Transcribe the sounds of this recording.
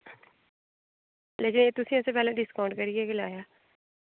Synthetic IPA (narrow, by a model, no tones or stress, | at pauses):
leːkɪneːt̪ʊsĩɛseːpɛːleːɖɪskaːɳɖkəɾieːkɪlaːjaː